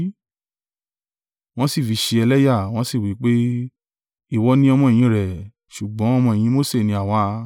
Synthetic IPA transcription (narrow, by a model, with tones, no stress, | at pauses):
w̃ɔ̃˦si˦˨fi˨˧ʃe˧ɛ˧lɛ˦ja˦˨w̃ɔ̃˦si˦˨wi˨˦k͡pe˦ | i˦˨wɔ˧˦nĩ˦ɔ˧mɔ̃˧e˨j̃ĩ˧˦ɾɛ˨ | ʃu˨ɡ͡bɔ̃˨˦ɔ˧mɔ̃˧e˨j̃ĩ˧˦mo˦˨se˦˨nĩ˧a˨w̃ɔ̃˦a˧